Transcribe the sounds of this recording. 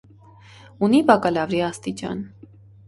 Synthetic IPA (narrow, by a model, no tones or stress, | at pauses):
unibɑkɑlɑvɾiɑst̪it͡ʃɑ̰n